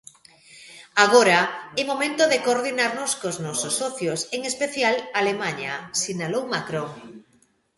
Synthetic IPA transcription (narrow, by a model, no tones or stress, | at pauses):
aɣ̞oɾaemomẽnt̪oðekoːɾðinaɾnoskoznɔsosːɔθjoseŋespeθjalalemaɲasinalowmakɾoŋ